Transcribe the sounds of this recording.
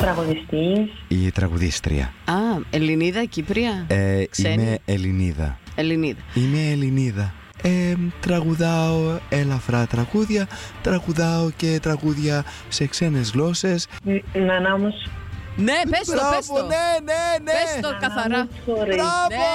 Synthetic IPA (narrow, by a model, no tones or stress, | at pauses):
t̪ɾɐɣoðist̪isit̪ɾɐ̰ɣṵðḭst̪ɾḭɐ̰ɐeliniðɐcipɾiɐesiemeːliniðɐ̰eliniðɐimeːliniðɐ | et̪ɾɐɣuðɐoelɐfɾɐt̪ɾɐɣuðʝɐt̪ɾɐɣuðɐoce̞t̪ɾɐɣuðʝɐ | se̞kse̞ne̞zɣlo̞se̞s | nɐnɐmosnepesɾɐsponenenest̪okɐθɐɾɐ | oɾiɾsɐo